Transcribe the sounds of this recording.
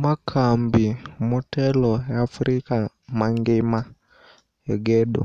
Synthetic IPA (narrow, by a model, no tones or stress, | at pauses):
makʰaːmbimotɛlojafɾikamaŋɡima | eɡedṵ